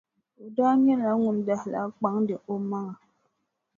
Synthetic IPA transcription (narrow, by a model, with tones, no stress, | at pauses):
o˨daː˦ɲɛ˦la˨˦ŋu˨nda˨hla̰˦k͡pa˨˦ŋdɨ˨ʔo˦ma˦ŋa˨